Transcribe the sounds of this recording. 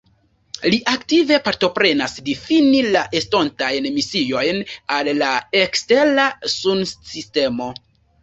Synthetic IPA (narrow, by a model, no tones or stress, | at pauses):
liʔaktive̞paɾto̞pɾe̞nasdifinilaʔesto̞ntajnmisio̞jnalːaekste̞ɾnasunsiste̞mo̞